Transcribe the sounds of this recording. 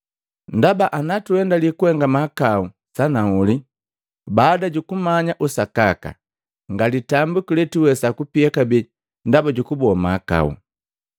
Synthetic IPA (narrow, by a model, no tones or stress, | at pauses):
ndabaʔanatuɛndalikuɛŋɡamakau | sanauli | baːdaɟukumaɲaʔusakaka̰ | ŋɡalitambukilɛtiwɛsakupiakabi | ndabaɟukubɔmaka̰ṵ